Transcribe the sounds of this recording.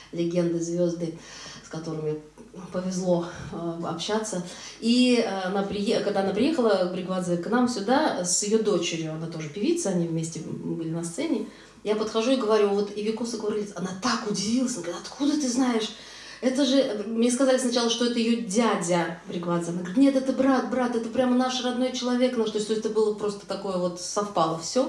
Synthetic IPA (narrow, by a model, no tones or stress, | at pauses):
lʲɪɡʲe̞nd̪ɨzvʲo̞zd̪ɨskɐt̪o̞ɾɨmʲɪ | pəvʲɪzlˠo̞ɐ̰pɕat̪səiːnapɾʲɪjekɐɡd̪aɐnapɾʲɪjexəlˠəbɾʲɪɡvad̪zəknamsʲʊd̪asʲɪjod̪o̞t͡ɕɪɾʲjʊɐnat̪o̞ʐɨpʲɪvʲit̪səɐnʲivmʲesʲtʲɪbɨlʲɪnɐst̪sɛnʲɪ | japət̪xɐʐuɪɡəvɐɾʲuvo̞t̪ɪvʲɪkosəkoɾʲlʲɪt̪ɐnat̪akʊdʲɪvʲilˠəsʲɐnɐɡɾʲɪt̪ɐt̪kʰud̪ət̪ɨznaɪʂ | ɛt̪əʐɨmnʲeskɐzalʲɪsnɐt͡ɕalˠəʂt̪o̞ɛt̪əjɪjodʲædʲəbɾʲɪɡvad̪zəɐnaɡəɡɾʲɪt̪nʲet̪ɛt̪əbɾat̪̚bɾat̪ɛt̪əpɾʲamənaʂrɐd̪no̞jt͡ɕɪlˠɐvʲe̞knaʂt̪osʲt̪ʲosʲt̪ʲɛt̪bɨlˠəpɾo̞st̪ə̥t̪ɐko̞jəvo̞t̪sɐfpalˠəfsʲo